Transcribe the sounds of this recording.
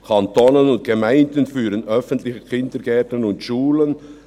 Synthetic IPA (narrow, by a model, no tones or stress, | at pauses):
kʰɑntoːnənʊnt̚ɡ̥əmaɪndənfyːɾənœfəntlɪçəkʰɪndəɾɡɛtən̩ʊntʃuːlən